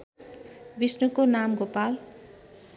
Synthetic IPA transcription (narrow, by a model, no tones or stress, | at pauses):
bisnukonamɡopal